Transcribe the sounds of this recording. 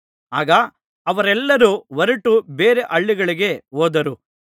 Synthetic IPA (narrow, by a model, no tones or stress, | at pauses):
aːɡɐ | ɐʋɐɾɛlːɐɾuʋɐɾɐʈubeːɾeʔɐɭːiɡɐɭiɡe̞oːd̪ɐɾu